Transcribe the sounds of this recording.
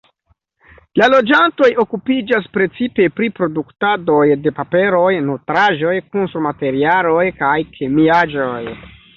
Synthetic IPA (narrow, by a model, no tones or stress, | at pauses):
lalo̞d͡ʒanto̞jo̞kupid͡ʒas̬pɾe̞t͡sipe̞pɾipɾo̞duktado̞jde̞pape̞ɾo̞jnotɾaʒo̞jkunsɾumate̞ɾialo̞jkajkʰemiad͡ʒo̞j